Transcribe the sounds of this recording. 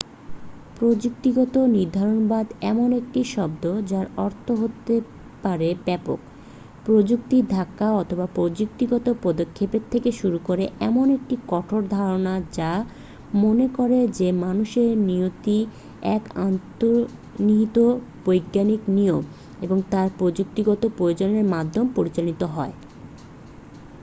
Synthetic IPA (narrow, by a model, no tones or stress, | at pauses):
pɾod͡ʑuk̚t̪iɡɔt̪oniɾd̪ʱaɾonbad̪ɛmonek̚ʈiʃɔbd̪od͡ʑaɾɔɾt̪ʰoɦot̪e | paɾebɛpo̰k | pɾod͡ʑuk̚t̪id̪ʱakːaɔt̪ʰobapɾod͡ʑuk̚t̪iɡɔt̪opɔd̪okʰːepeɾt̪ʰːekeʃuɾukoɾeʔɛmonek̚ʈikɔʈʰoɾd̪ʱaɾonad͡ʑa | monekoɾed͡ʑemanuʃeɾniot̪i | ɛ̰kant̪oɾ | nit̪ob̥ojɡːanikniom | eboŋt̪aɾpɾod͡ʑuk̚t̪iɡɔt̪opɾojod͡ʑoneɾmad̪ʱːompoɾit͡ɕanit̪oɦɔe